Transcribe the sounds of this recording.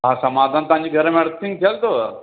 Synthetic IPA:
ɦãːsɐmaːd̪ʱaːnt̪oãɲd͡ʑiːɡʱəɾəmẽɽt̪ʰːĩŋt̪ʰeəlt̪oː

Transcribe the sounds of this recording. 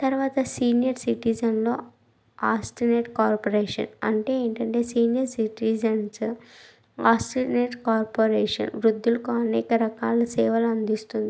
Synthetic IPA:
t̪ɐɾʋaːt̪ɐsiːnijɐɾsiʈid͡ʒɐnlo̞ː | aːsʈineːʈkaːɾpoɾeːʂɐ̰nɐ̰ɳʈe̞ːeːɳʈɐɳʈe̞ːsiːnijɐɾsiʈid͡ʒɐns | aːsʈineːʈkaːɾpoːɾeːʂɐ̰nʋɾud̪ʱːulukoɐneːkɐɾɐkaːlɐsɛːʋɐlɐnd̪ist̪und̪i

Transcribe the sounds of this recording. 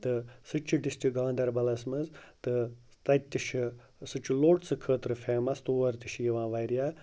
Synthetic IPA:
t̪ɨsɨt͡ʃʰiɖist̪iɡãːnd̪ɐɾbɐlɐsmɐzt̪ɨ | t̪ɐt̪ʲːiʃʰi | sɨt͡ʃʰuloːʈsɨkʰəːt̪ɾɨfʰeːmɐst̪oːʋɐɾt̪iʃjiʋãːʋɐjɾijaː

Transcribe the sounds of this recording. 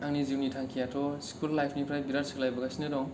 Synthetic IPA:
aŋniziwnitʰaŋkʰijatʰɔskʰulːajpʰnipʰɾajbiɾaɾsɯklajbaɡasinɯdɔŋ

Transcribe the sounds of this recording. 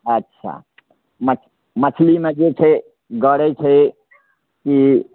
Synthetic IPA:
ətːʃʰa̰ | mə | mət͡ʃʰlimed͡ʒet͡ʃʰɛ | ɡəɾɛt͡ʃʰɛ | ki

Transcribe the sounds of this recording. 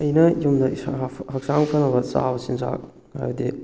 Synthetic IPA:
ɐjnɐjumdɐhak̚saŋpʰɐnɐbɐsa̰wsinza̰k̚ | ha̰judi

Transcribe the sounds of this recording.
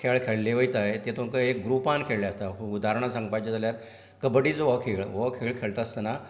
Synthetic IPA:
kʰeɭkʰeɭleʋəjt̪ajt̪et̪ʰõŋkəek̚ɡɾupankʰeɭleəst̪aud̪aɾəɳ̃asãŋɡpajt͡ɕed͡zaljaɾ | kəbɽiːt͡sʋəkʰeɭʋəkʰeɭkʰeɭt̪aəst̪əna

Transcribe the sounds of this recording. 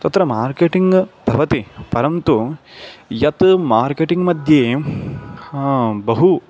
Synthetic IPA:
t̪ɐt̪ɾɐmaːɾkeʈiŋɡb̪ʱɐʋɐt̪ipɐɾɐnt̪u | jɐt̪maːɾkeːʈiŋɡmɐd̪ʱjeː | bɐɦu

